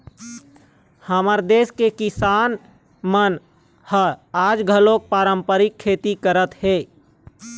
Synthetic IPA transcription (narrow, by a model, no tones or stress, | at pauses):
həməɾd̪eːskekɪsaːn | mən | həaːd͡ʒɡʱəlok̚paːɾəmpəɾɪkʰːeːt̪ikəɾət̪heː